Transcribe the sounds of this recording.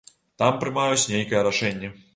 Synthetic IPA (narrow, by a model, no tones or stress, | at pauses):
t̪ampɾɨmajut͡sʲnʲejkɐjɛɾaʂɛnʲːɛ